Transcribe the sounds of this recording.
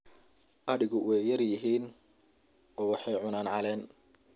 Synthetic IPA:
ʔɐɽɪɣʊwɛjjɐrjɪɦiːn | ɔːwɑħɑjʕʊnaːnʕɑlɛːn

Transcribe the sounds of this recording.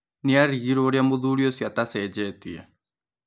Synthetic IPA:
niaɾiɾoɾjamuðuɾjosiat̪asɛd͡ʒɛt̪ḭa̰

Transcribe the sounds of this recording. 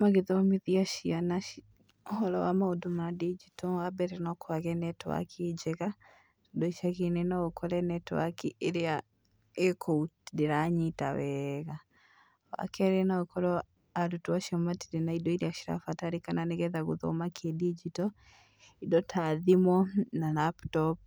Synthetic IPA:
maɣeðɔamiðiaʃiana | hɔɾɔ̰wamaodomadid͡ʒitɔwabɛɾɛnɔkwaɣɛnɛtwa̰kʰed͡ʒɛɣa | todoiʃaɣinenaɣokʰɔɾɛnɛtwa̰kiʔeɾea | ekʰoutdeɾaɲitawɛɣa | wa̰kɛɾɛnaɔkɔɾɔ | aɾutuwaʃiɔmatiɾenaidɔiɾiaʃiɾa̰fataɾikananeɣɛðaɣoðɔ̰makʰɛdid͡ʒitɔ | idɔtʰaðimwɔnanaptɔp̚

